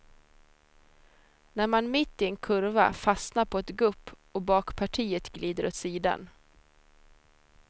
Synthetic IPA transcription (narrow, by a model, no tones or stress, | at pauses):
næɾmanmɪt̪ːɪɛnkʰɵɾva̰fasnaɾpʰɔɛt̪ɡɵpː | ɔbɑːkpʰaʈʰiːət̪ɡliːd̪əɾʔot̪siːd̪a̰n